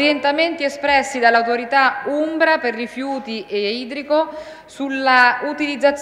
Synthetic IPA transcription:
ɾjent̪ament̪iɛspɾɛsːid̪alːawt̪oɾit̪aumbɾaperːifjuːt̪iʔeiːd̪ɾiko | sulːaut̪ilid̪zːat̪s

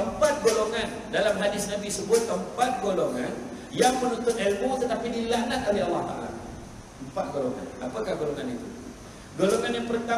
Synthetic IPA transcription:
əmpat̪̚ɡoloŋan | dalamhadɪsnabisəbʊt̪̚əmpat̪̚ɡoloŋan | jaŋpənunt̪ʊt̪ɛlmot̪ət̪apidilanat̪̚olɛhɑlːɑht̪a̰ʔa̰la̰ | əmpat̪̚ɡoloŋa̰napakahɡoloŋanit̪u | ɡoloŋanjaŋpərt̪a

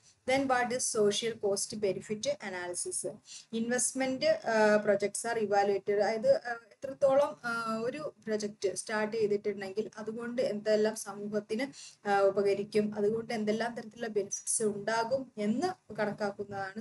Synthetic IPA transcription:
d̪enʋaːʈisso̞ːʂijɐlko̞ːstɨbe̞nifitːɨʔɐnaːlisisɨinʋe̞stmendɨpro̞d͡ʑek̚ʈsaːriʋaːluetːɐrɐjɐðɨet̪ːrɐt̪ːo̞ːɭɐmo̞ɾupro̞d͡ʑek̚tːɨstaːrʈːejt̪ːiʈːiɽɨɳːe̞ŋɡilɐðuɣo̞ɳɖɨe̞nd̪eelːaːmsɐmuːhɐt̪ːinɨubɐɣɐɾikʲːumɐðuɣo̞ɳɖɨe̞nd̪elːaːmt̪ɐɾɐt̪ːiluɭːɐbe̞nifi̥ʈsɨuɳɖaːɣume̞nːɨkɐɳɐkːaːkːunːɐðaːɳɨ

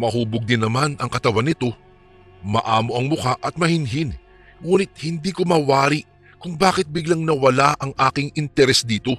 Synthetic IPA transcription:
mɐhuːboɡ̚d̪ɪnːɐmanɐŋkɐt̪ɐwanɪt̪o̞ | mɐʔaːmo̞ʔɐŋmʊkaʔɐt̪̚mɐhɪnɦɪn | ŋuːnɪt̪̚hɪnd̪iːkomɐwaːɾɪʔ | kʊŋbaːkɪt̪̚bɪɡlaŋnɐwɐlaʔɐŋʔaːkɪŋɪnt̪ɛɾɛsd̪iːt̪o̞

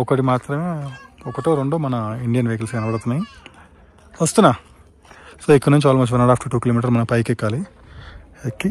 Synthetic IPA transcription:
ɔkɐʈimaːt̪ɾɐmeːɔkɐʈoːɾeɳɖoːmɐnɐiɳɖijɐnʋekɐlsɡɐnɐbɐɽt̪unːaji | ʋɐst̪unːaː | soːikːɐnuɲt͡ʃaːlɐmɐt͡ʃːuʋɐnɐɽaːpʈuʈuːkilomiːʈ̬ɐɾmɐnɐpɐjkikːaːli | ekːi

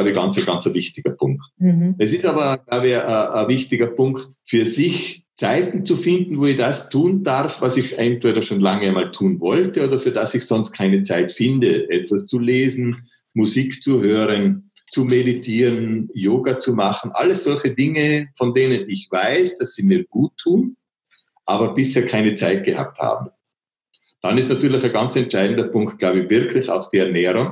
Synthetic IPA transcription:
laʊbəɡa̰nt͡səɡant͡sɐvɪçtɪɡɐpʰʊ̰ŋktɛsɪstaːbɐɡ̥laʊbəʔəʔːvɪçtɪɡɐpʰʊŋkt | fyːɐzɪç | t͡saɪtn̩t͡sufɪndn̩voːɛçd̥astʰuːndaʁfvasɪçʔɛntv̥eːɾɐʃoːnlaŋəamaːltʰuːnvɔltəoːdɐfyːɐdasɪçsɔnst̚kʰaɪnət͡saɪtfɪndəʔɛtv̥ast͡suleːzn̩ | muziːkt͡suhøːʁən | t͡sumeditʰiːʁənjoːɡat͡sumaχn̩ʔa̰ləsz̥ɔlçədɪŋəfɔndeːnənɪçv̥aɪsd̥asz̥iːmiːɐɡ̥uːtʰːuːn | ʔaːbɐb̥ɪsheːɐkʰaɪnət͡saɪt̚ɡ̥əha̰p̚tha̰ːb̚m̩ | d̥anɪstnatyːɐlɪçaɡant͡sɛntt͡ʃaɪdn̩dɐpʰʊŋkt̚ɡ̥laʊbəv̥ɪɐkʰlɪça̰ʊxd̥iːɛɐnɛːʁʊŋ

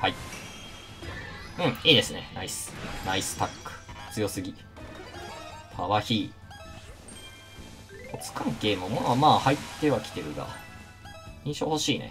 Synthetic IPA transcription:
hai | ɯ̟̃ɴiːd̪e̞sɨne̞̰naisɨ̥naisɨ̥t̪akːɯ̥ht͡sɨjo̞sɨɡʲi | t̪ʰaβaçiː | ot͡sɨ̥kãŋke̞ːmomoamaːhait̪ːe̞βakʲi̥t̪e̞ɾɯ̟ɡa̰ | ĩɰ̃ɕo̞̰ːho̞ɕiːnḛ

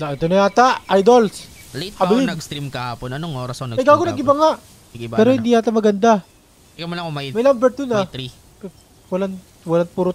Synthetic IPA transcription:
aɛt̪onɐjaːt̪aʔajd̪olslejt̪̚kɐbɪlɪnɐɡst̪ɾimkɐhaːponɐnoŋʔoːɾɐsnɐɐjɡaːɡonɐɡɪbaŋaʔ | ɐɡɪbpɛːɾohɪnd̪iːaːt̪ɐmɐɡɐnd̪a | ɪkɐmolɐŋmɐmɐjlambɛɾt̪ʊnɐt̪ɾi | wɐlan | wɐlanpuːɾʊ

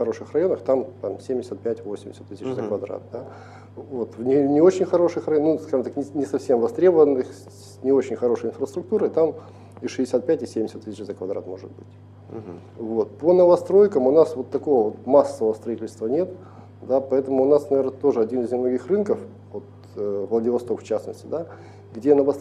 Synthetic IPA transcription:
xɐɾo̞ʂɨxrɐjo̞nəxt̪amt̪amsʲemʲdʲɪsʲət̪̚pʲætʲvo̞sʲɪmʲɪsʲət̪ːɨsʲɪt͡ɕzəkvɐd̪ɾa̰t̪̚d̪a | vot̪vnʲɪnʲɪo̞t͡ɕɪnʲxɐɾo̞ʂɨxrɐjonuskaʐɨmt̪aknʲɪnʲɪsɐfsʲe̞mvɐst̪ɾʲebəvənːɨx | nʲɪo̞t͡ɕɪnʲxɐɾo̞ʂəjɪnfrəst̪ɾʊk̚t̪uɾɨt̪am | ɪʂɨdʲɪsʲat̪̚pʲætʲɪsʲemʲɪsʲət̪ːɨsʲt͡ɕzəkvɐd̪ɾa̰t̪mo̞ʐɨt̪̚bɨtʲ | vot̪̚ponəvɐst̪ɾo̞jkəmʊnasvo̞t̪ːɐko̞vəvo̞t̪masːəvəst̪ɾɐitʲɪlʲst̪vənʲe̞t̪ | d̪apɐɛt̪əmʊːnasnɐvʲernət̪o̞ʐɨɐdʲinɨzʲnʲɪmnoɡʲixrɨnkəf | vo̞t̪ | vlˠədʲɪvɐst̪o̞kft͡ɕasnəsʲtʲɪd̪a | ɡdʲenəvɐ

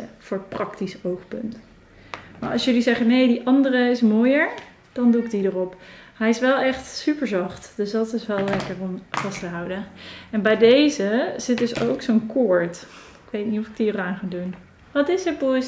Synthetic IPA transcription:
fʊːɹətprɑktisowχpɵ̰nt | ma̰ːɹɑ̰lˠsjɵlizɛχənejdiʔɑndərəɪsmoːjəɹ | d̥ɑnduɪk̚didərɔpɦɛjɪsʋɛlˠɛχtsypəɹzɑχtd̥øsdɑtɪsʋɛlˠlɛkəɹɔmv̥ɑstəɦɑwdəɛnbɛjdejzəz̥ɪt̚dɵso̰wksonkʊɹt | ɪkʋejtnitɔfɪk̚diəraːnχaːdun | ʋɑtɪsət̚bus

